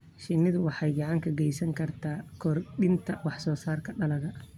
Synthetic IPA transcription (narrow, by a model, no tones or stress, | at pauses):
ʃɪnɪðwɑħɑjɡɑʕɑŋkʰɐɡɛjsɐŋkʰɐrt̪ʰaːkʰɔrɗɪnt̪ʰɐwɑħsɔːsaːrkʰɐɖɐlɐɣɐ